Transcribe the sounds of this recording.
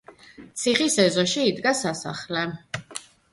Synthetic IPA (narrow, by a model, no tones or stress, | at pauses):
t̪sʰiχisɛzɔʃiːd̪ɡasasa̰χlɛ